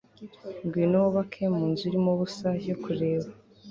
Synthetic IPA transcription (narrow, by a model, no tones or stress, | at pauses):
ɡwiːnowoβakʰemuːnzuiɾimuβusajokʰuɾeːβa